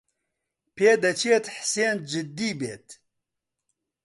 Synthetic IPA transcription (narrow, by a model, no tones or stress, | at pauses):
pʰeːd̪ɐt͡ʃʰeːt̪ħseːnd͡ʒɨd̪ːiːbeːt̪